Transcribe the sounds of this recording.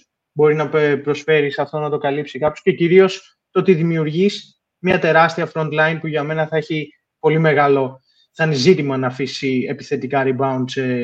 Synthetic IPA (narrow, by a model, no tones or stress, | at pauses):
bo̞ɾinɐppɾo̞sfe̞ɾisɐft̪o̞nɐt̪o̞kɐlipsikɐposce̞ciɾio̞s | t̪ot̪iðimiuɾʝis | mɲɐt̪e̞ɾɐst̪iɐfɾo̞nd̪lɐjnpuʝɐme̞nɐθɐeçi | po̞lime̞ɣɐlo̞ | sɐnizit̪imɐnɐːfisie̞piθe̞t̪ikɐɾibɐund̪se